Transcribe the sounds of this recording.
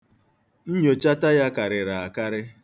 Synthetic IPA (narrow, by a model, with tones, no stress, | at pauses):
n̩˦ɲo˨t͡ʃa˦ta˦ja˦ka˨ɾɪ˨ɾa˨a˨ka˦ɾɪ˦